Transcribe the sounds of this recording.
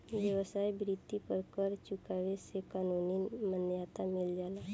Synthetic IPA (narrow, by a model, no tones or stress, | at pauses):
ʋjəʋəsaːjbɾit̪ːipəɾkəɾt͡ʃʊkaːʋesekaːnuninmənjaːt̪amɪld͡ʒaːla